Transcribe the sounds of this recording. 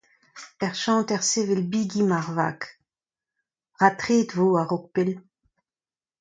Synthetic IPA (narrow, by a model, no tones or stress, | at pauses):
ɛʁʃɑ̃ːt̪ɛʁseːvelbiɡimaʁva̰k | ʁat̪χeːt̪voːaʁok̚pel